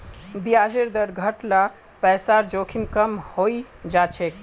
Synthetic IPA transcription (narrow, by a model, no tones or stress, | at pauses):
biad͡ʒeɾd̪əɾɡʱəʈla | pɛsaɾd͡ʒokʰimkəmhoid͡ʒat͡ʃʰek